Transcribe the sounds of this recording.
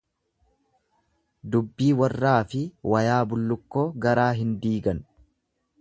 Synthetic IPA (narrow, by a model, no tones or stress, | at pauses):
d̪ʊbːiːwɐrːaːfɪwɐjaːbʊlːʊkːoːɡɐɾaːɦɪnd̪iːɡɐn